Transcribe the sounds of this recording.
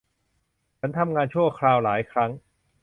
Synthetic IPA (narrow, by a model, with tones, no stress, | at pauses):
t͡ɕʰa˦˥nt̪ʰa˧mŋaː˧nt͡ɕʰu˥˩ɐkʰɾaː˧wlaː˩˦jkʰɾa˦˥ŋ